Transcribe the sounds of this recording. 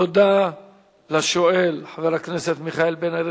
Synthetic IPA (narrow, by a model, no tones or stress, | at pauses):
od̪a | laʃoelħaveɾakneset̪miχaelbenaɾe